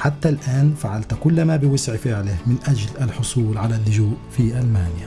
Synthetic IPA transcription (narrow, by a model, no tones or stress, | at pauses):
ħat̪ːalʔaːnfaʕalt̪kʊlːamabɪwɪsʕfɪʕlɪhmɪnʔad͡ʒlalħʊsˤuːlʕalalːʊʒuːʔfiʔalmaːnja